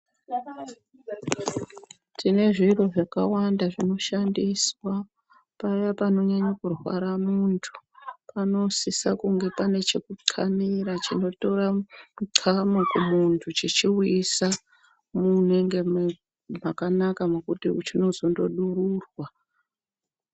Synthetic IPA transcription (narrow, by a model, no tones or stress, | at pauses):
tʰine̞ʐiro̞ʐakawandaʐino̞ʃandiswa | pajapano̞ɲaɲakurwa̰ɾamuntʰu̥pano̞sisakuŋɡe̞pane̞t͡ʃe̞kuǀʰamiɾat͡ʃino̞to̞ramuǀʰamokumuntʰut͡ʃit͡ʃiwisa | muneŋɡem | makanakamukutiut͡ʃino̞zo̞ndo̞ɗururwa